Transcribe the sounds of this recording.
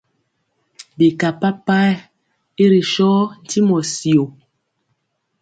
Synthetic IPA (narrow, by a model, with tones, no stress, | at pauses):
bi˨ka˨pa˦pa˦˨ | e˦ɾi˨ʃɔ˦n̩˨ti˦mɔ˨si˨o˨